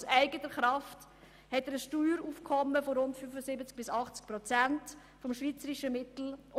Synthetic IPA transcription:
sæɪɡətəɾχɾɑft | hɛtəɾəsʃtyːɾuːfkʰɔmːəfoɾʊntfyfəsɪbət͡sk̚b̥ɪsɑχt͡sk̚pɾɔt͡sænt | fɔmʃviːt͡səɾiʃəmɪtl̩

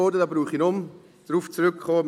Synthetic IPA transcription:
oːdədɑbruːχɪnʊm | d̥ruːft͡srʏkχoːm

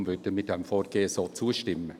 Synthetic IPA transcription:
mvʏrd̥əmɪt̚dɛmfoːrɡ̥eːsoːt͡suːəʃtɪmə

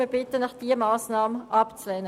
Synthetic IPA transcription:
əbɪtənɑχd̥iːəmɑːsnɑːməʔɑpt͡slɛːnə

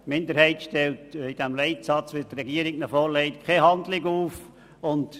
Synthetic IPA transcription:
mɪndəɾhɛɪtʃtɛltid̥ɛmlɛɪtsɑt͡sʋɪtrɛɡiəɾɪknəfɔɾlɛɪtkʰχeɦɑndlɪɡuːf | ʊnt

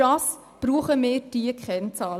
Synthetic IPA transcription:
ɑs | b̥ɾuːχəmɪːɾdiəkχɛnt͡sɑːl

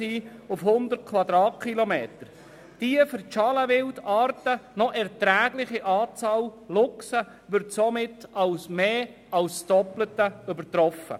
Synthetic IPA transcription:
iːʊfhʊnd̪ət̚kʰʋɑd̪ɾɑːt̚kχilɔmeːtəɾ | d̥iəfəɾt͡ʃɑləʋɪldɑːrtənɔʔɛʁtɾæːɡlɪχiʔɑːt͡sɑːllʊksə | ʋʏɾtsɔmɪtɑlsmeː | ɑlsd̥ɔplətəʏbəɾtɾɔfːə̰

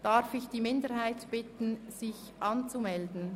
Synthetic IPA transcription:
d̥aɾfɪçd̥iːmɪndəɾhaɪtb̥ɪtn̩z̥ɪç | ʔɑnt͡sumɛldn̩

